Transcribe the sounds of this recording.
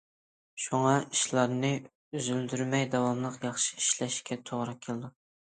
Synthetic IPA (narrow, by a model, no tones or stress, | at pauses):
ʃuŋɑiʃlˠɑɾnɨ | øzyld̪yɾmɛjd̪ɛwɑmlˠəqjɑχʃi̥iʃlɛʃkʲɛt̪ʰoʁɾɑkʲʰelˠɨd̪u